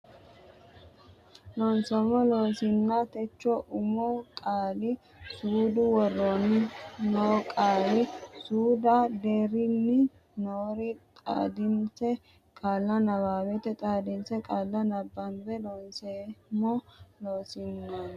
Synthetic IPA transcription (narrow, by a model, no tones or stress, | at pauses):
lɔnsɛmːɔloːsɪnːat̪ɛt͡ʃːɔʔʊmɔkʼaːlɪ | suːd̪ʊwɔrːonɪnoːkʼaːlɪsuːd̪ɐd̪eːɾɪnːɪ | noːɾɪt̪ʼa̰ːd̪ɪnsɛ | kʼaːlːɐnɐbaːwɛt̪ɛt̪ʼaːd̪ɪnsɛkʼaːlːɐnɐbːɐnbɛlɔnsemɔloːsɪnːan